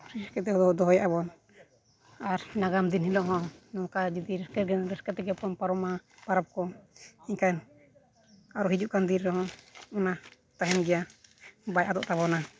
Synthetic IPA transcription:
ɾiskɛt̪ɛhɔd̪ɔɔd̪ɔɦɔjabɔn | aɾnaɡamd̪inhilɔʔɦɔ̃nɔŋkad͡ʒid̪iɾɛskɛɾɡɛɾɛskɛt̪ɛɡɛpɔnpaɾɔmapaɾap̚kɔiɲkan | aɾɔɦid͡ʒuʔkand̪iɾɛhɔ̃ɔna | t̪aɦɛmɡɛjabajʔad̪ɔ̰ʔt̪aβɔna

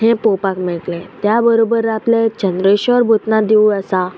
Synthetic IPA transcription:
ɦẽpopakmɛɭklɛ̃t̪jabəɾobəɾːaplẽt͡ɕənd̪ɾəɕəɾbʱut̪nad̪iuəsa

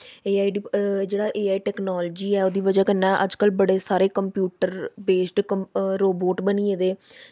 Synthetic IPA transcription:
eːaːiːɖid͡ʒeːɽaːʔeːaːiːʈɛːknaːlːd͡ʒiːɛːoːd̪iːʋəd͡ʒaːkənːɛ̃ːʔəd͡ʒkəlbəɽeːsaːɾeːkəmpjuːʈəɾbeːsʈkəɾoːboːʈbəniːeːd̪eː

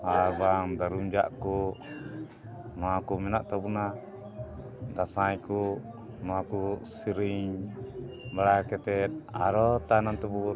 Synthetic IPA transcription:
abaŋdaɾumd͡ʒaʔku | makumɛnaʔt̪abuna | d̪asajku | mɔakusiɾiɲ | baɽakɛt̪ɛt̪̚a̰ɾɔt̪anant̪ɔbu

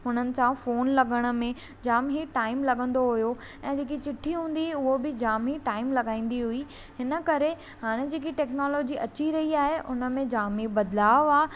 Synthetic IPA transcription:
ɦʊnənɪ̆sãfoːnlɐɠəɽ̃ə̆mẽ | d͡ʑaːmɦiʈaːɪmlɐɠə̃nd̪oɦʊjo | ɛ̃ːd͡ʑeːk̬it͡ɕɪʈʰiɦũːnd̪iʊɦobɪd͡ʑaːmɦiʈaːɪmlɐɠaːĩːn̆d̪iɦʊi | hɪnə̆kɐɾe | haːɽ̃ed͡ʑeːkiʈɛːknɔːloːd͡ʑiʔɐt͡ɕiɾɐɦiaːɦeʔʊnə̆mẽd͡ʑaːmibɐd̪laːʋaː

